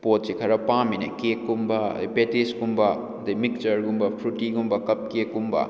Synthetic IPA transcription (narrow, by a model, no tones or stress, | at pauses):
pot̚sikʰɐɾɐpaminɐ̰kekːumbɐ̰betisɡumbɐ | d̪imik̚t͡ʃɐɾɡumbɐpʰɾutiɡumbɐkɐp̚kekːumbɐ̰